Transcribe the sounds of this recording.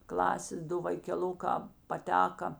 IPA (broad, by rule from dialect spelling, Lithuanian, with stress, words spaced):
ˈklˠɑːsʲeːs ˈdʊ ʋɐɪkʲɛˈlˠʊkɑː pɐˈtʲæːkɐ